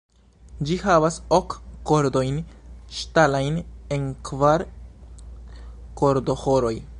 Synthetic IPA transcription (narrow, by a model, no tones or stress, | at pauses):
d͡ʒihavasokːo̞ɾdo̞jnʃtalajnenkvaɾ | ko̞ɾdo̞hoɾo̞j